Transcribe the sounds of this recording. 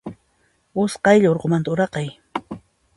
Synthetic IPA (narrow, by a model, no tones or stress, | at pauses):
ʊsqɑjʎaoɾqomant̪aʊɾɑqɑj